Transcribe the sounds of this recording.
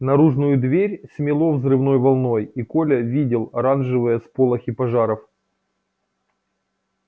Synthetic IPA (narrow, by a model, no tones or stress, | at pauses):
nɐɾuʐnʊjʊd̪vʲeɾʲsʲmʲɪlˠo̞vzrɨvno̞jvɐlˠno̞jiko̞lʲɐvʲidʲɪlˠɐɾanʐɨvɨjəspolˠɐxʲipɐʐaɾəf